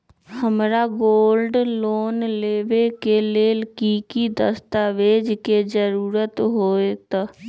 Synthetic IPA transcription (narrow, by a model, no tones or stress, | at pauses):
həmɾaɡoːlɖloːnleːʋekeleːlkikid̪əst̪aʋeːd͡ʒked͡ʒəɾuːɾət̪ɦoːet̪ː